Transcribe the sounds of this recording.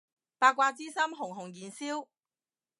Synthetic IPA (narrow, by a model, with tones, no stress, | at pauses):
paː˧kːʷaː˧t͡siː˥sɐ˥mɦʊ˨˩ŋɦʊ˨˩ŋjiː˨nsiː˥w